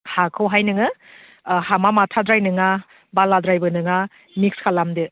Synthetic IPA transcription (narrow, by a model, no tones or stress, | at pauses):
hakʰɯwɦajnɯŋɯ | hamamatʰadɾajnɯŋa | baladɾajbɯnɯŋa | mikskʰalamdɯ